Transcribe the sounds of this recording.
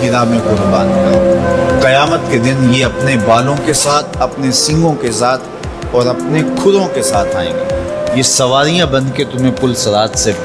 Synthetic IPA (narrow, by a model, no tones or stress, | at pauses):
ɪɾaːmẽkʊɾbaːnkaqɐjaːmət̪ked̪ɪnjeɐpnebaːlõkesaːt̪ʰɐpnesɪ̃ŋɡõkesaːt̪ʰ | ɔːɾɐpnekʰʊɾõkesaːt̪ʰaːḛ̃ːɡeːjesɐʋaːɾijãbɐ̃nd̪ʱket̪ʊmẽpʊlsɐɾaːt̪se